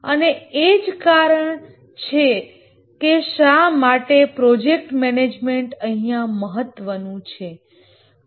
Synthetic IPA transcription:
əneed͡ʒkaɾəɳ | t͡ʃʰe | keʃamaʈepɾɔd͡ʒek̚ʈmɛned͡ʒmeɳʈəɦijãməɦət̪ːʋənũt͡ʃʰe

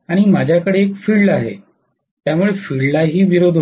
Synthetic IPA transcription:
aɽ̃imad͡ʑʱjakəɽeːkfiːɭɖaɦḛ | t̪jamuɭefiɭlaɦiːʋiɾod̪ʱ

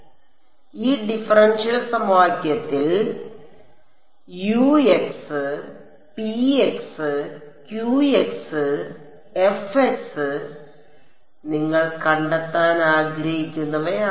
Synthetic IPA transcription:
iːɖifɐrɐnɕɐlsɐmwaːɡjɐt̪ːil | jueksɨ | pieksɨ | kjuːeksɨ | efeksɨ | niŋːɐɭkɐɳɖɐt̪ːaːnaːɡɾɐhikʲːunːɐʋea

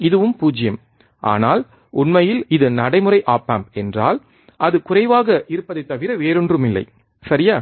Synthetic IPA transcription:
ɪðɯʋɯmpuːd͡ʒɪjɐm | ʔa̰ːnaːl | ʊnmɐjɪlɪðɯnɐɽɐɪmɯrɐɪʔaːpːaːmɛndra̰ːl | ʔɐðɯkʊrɐɪʋaːɣɐʔɪɾɯpːɐðɐɪt̪ːɐʋɪɾɐʋeːɾɯndrɯmɪlːɐ̰ɪ | sɐɾɪjaː

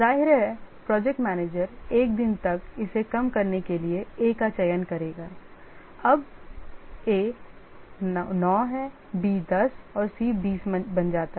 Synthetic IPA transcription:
zaːɦɪɾɦɛpɾɔːd͡ʒɛk̚ʈmɛːneːd͡ʒəɾeːk̚d̪ɪnt̪ɐkɪsekɐmkɐɾnekelieeːkat͡ʃɐjənkɐɾeːɡaː | ɐb | eː | nɔːɦɛ | biːd̪ɐsɔːɾsiːbiːsbɐnd͡ʒaːt̪aɦɛ

